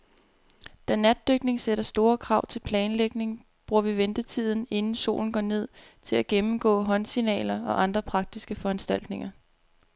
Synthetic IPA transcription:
d̥ænæd̥̚ːøɡ̥ne̝ŋseɾ̥ɐsd̥o̝ːɐkʰʁɑ̈ʊ̰t͡sʰe̝lpʰlɛːnleɡ̥ne̝ŋ | b̥ʁuɐ̰ʋiʋend̥ət͡sʰið̞̰ˠn̩e̝nn̩so̝̰ːln̩ɡɒ̰ːne̝ð̰ˠt͡sʰe̝læɡ̥emm̩ɡ̥ɔ̰̽ːɦɒ̽nsinɛ̰ːlɐɒ̽ʔɑ̈nd̥ʁɐpʰʁɑ̈ɡ̥̚d̥isɡ̥əfɒ̽ænsd̥æl̰d̥ne̝ŋɐ

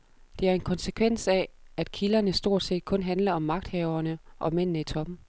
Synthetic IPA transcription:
d̥e̝æɐe̝nkʰɒ̽nsəkʰʋen̰sɛæd̥kʰilɐnəsd̥o̝ɐ̰d̥se̝̰ːd̥̚kʰɔ̽nɦænlɐɒ̽mːɑ̈ɡ̥̚d̥hɛʊɐnəʔɒ̽men̰nəit͡sʰɒ̽b̥̩

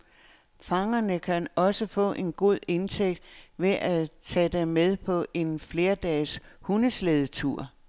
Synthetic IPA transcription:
fɑ̈ŋɐnəkʰænɒ̽səfɔ̰̽ːʔe̝nɡ̥o̝ð̰ˠe̝nt͡sʰeɡ̥̚d̥ʋe̝ʔæt͡sʰæd̥emeð̞ˠpʰɒ̽ʔe̝nfle̝ːɐd̥ɛːshunəsleð̞ˠət͡sʰuɐ̰

